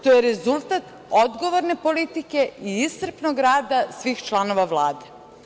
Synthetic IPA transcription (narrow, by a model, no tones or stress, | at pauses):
t̪ojeɾezulˠt̪at̪ | od̪ɡo̞ʋoɾne̞po̞lit̪ike̞iissr̩pnoɡɾaːd̪asʋiːxt͡ʃlˠano̞ʋaʋlˠaːd̪e